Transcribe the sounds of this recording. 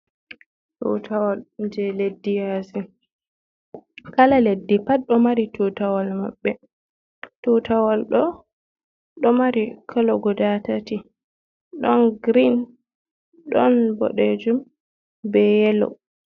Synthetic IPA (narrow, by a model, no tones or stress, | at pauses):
tṵtʰawald͡ʒɛledːijazi | kalaledːipat̚ɗɔmaɾitutawalma̰ɓːɛ | tutawalɗɔ | ɗɔmaɾikʰalɔɡɔdatati | ɗɔnɡɾin | ɗɔnbɔ̰ɗed͡ʒum | bɛjɛlɔ̰